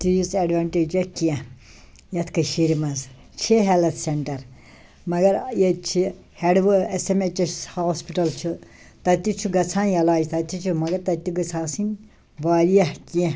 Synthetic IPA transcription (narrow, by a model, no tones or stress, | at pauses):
t̪ijusɐɖʋaːɳʈed͡ʒɐkiɛ̃ | jɐt̪ʰkɐʃiɾimɐz | t͡ʃʰeɦelɐt̪ʰseɳʈɐɾ | mɐɡɐɾjet͡ʃʰi | heɖʋɨesemet͡ʃɐshoːspiʈɐlt͡ʃʰu | t̪ɐt̪it͡ʃʰuɡɐt͡sʰãːjɐlaːd͡ʒit̪ɐt̪ʲit͡ʃʰumɐɡɐɾt̪ɐt̪iɡɨt͡sʰaːsinʲ | ʋaːɾijɐhkiɛ̃